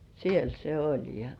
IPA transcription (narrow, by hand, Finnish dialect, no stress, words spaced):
siel se olʲ jɑ